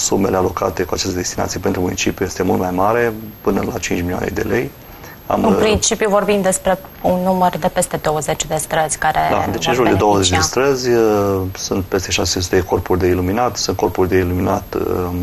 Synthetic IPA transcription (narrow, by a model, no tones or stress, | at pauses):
sume̞le̞alo̞ka̰t̪e̞kuat͡ʃest̪əd̪est̪ina̰t̪sijepent̪ɾumunit͡ʃipjuje̞st̪emult̪majmaɾe̞pɨnəlat͡ʃint͡ʃmilia̰nḛd̪e̞̰le̞j | a̰mɨnpɾint͡ʃipjuvo̞rbimd̪e̞spɾe̞ | unːumərd̪e̞pe̞st̪e̞d̪o̞wəzet͡ʃʲd̪e̞st̪ɾəzʲkaɾḛd̪a̰d̪et͡ʃenʒuld̪e̞d̪owəzet͡ʃd̪est̪ɾəzʲsunt̪̚pe̞st̪e̞ʃasesesu̥t̪ed̪eko̞rpurʲd̪e̞iluminat̪sunt̪ko̞rpurʲd̪e̞iluminat̪